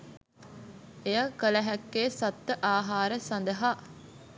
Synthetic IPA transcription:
ejakələɦækːeːsɐt̪ːəʔaːɦaːɾəsɐnd̪əɦaː

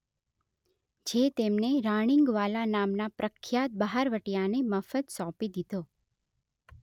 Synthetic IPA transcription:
d͡ʒet̪emneɾaɽ̃iŋɡʋalanamnapɾʔəkʰːjat̪̚bəɦaɾʋəʈjaneməfət̪sɔ̃pid̪id̪o

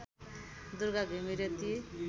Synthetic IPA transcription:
d̪uɾɡaɡʱemiɾet̪i

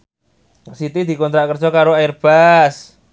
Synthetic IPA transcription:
sit̪id̪i̤kɔnt̪ɾaʔkər̥d͡ʒɔkaɾoaɪrb̥as

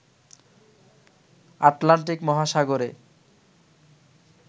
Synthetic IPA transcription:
aʈlaɳʈ̬ikmɔɦaʃaɡoɾe

